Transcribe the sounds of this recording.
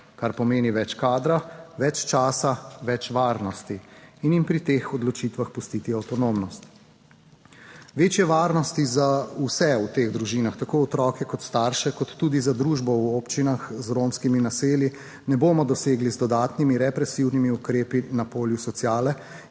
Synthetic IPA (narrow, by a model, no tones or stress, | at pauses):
kaɾpɔmeːniʋɛt͡ʃkaːd̪ɾaʋɛt͡ʃt͡ʃaːsaʋɛt͡ʃʋaːɾnɔst̪iinimpɾit̪eːxɔd̪lɔt͡ʃit̪ʋaxpust̪iːt̪iawt̪ɔnomnɔst̪ | ʋeːt͡ʃjɛʋaːɾnɔst̪izausɛut̪eːɣd̪ɾuʒiːnaxt̪akoːɔt̪ɾɔːkɛkɔt̪st̪aːɾʃɛkɔt̪ːuːd̪izad̪ɾuːʒbɔwopt͡ʃinaxzɾomskiminaseːlji | nɛboːmɔd̪ɔseːɡlizd̪ɔd̪aːt̪nimiɾɛpɾɛsiwnimiukɾeːpinapoːljusɔt̪sjaːlɛ